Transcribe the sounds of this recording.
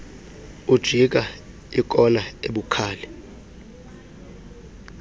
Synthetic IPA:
ud̥ʒ̥ʱik̬a | ik̬ʼɔnaeɓukʰaːlɛ

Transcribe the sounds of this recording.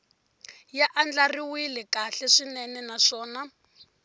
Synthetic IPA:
jaʔand͡ɮariwilɛkaɬɛʂinɛnɛnaʂɔːna

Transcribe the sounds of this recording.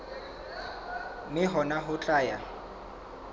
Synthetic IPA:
mɪɦɔnaɦʊt͡ɬʼaːja

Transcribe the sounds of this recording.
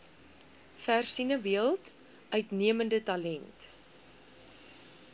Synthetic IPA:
færsinəviəlˠt | œɥtniəməndətɐlɛnt

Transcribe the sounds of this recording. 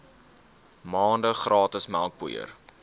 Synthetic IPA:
mɑːndəχrɑːtəsmælˠk̚pṵjə̰r

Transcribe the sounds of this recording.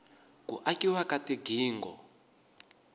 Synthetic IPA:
kuʔakiwakatiɡʱiːŋɡɔ̰

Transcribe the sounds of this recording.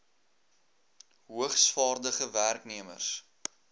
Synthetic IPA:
ɦuəχsfɑːrdəχəværkniəmə̰rs

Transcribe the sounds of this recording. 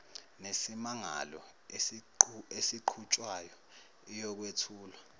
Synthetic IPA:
nesimaŋa̰lɔ | esiǃʰut͡ʃʼwajɔ | ijɔk̬wetʰuːlwa

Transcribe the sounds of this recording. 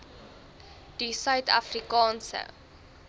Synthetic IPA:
d̥isœɥtɐ̰frikɑːnsə̰

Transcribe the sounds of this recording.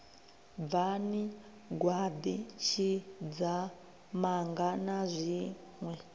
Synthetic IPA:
vani | ɡwad̪it͡ʃʰid͡za | maŋɡanazʷiŋwɛ

